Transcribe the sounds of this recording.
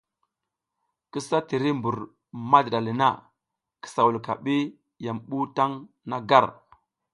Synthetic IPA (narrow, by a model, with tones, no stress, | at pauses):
kə˦sa˦ti˨ɾi˦mbu˨ɾ | ma˦dda˨li˨na̰˦˨ | ki̥˨sa˨wu˨lka̰˨ɓi˦ | ja˨mɓu˦ta˦ŋ | na˦ɡa˦ɾ